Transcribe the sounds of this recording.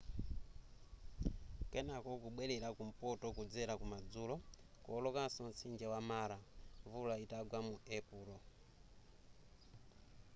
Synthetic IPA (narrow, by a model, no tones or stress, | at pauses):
kɛnakɔkuɓwɛlɛɾakum̩pɔtɔkud͡zɛɾakumad͡zuːlɔ | kɔːlɔkasɔnt͡sind͡ʒɛwamaɾavulaitaɡwamuɛpuːlɔ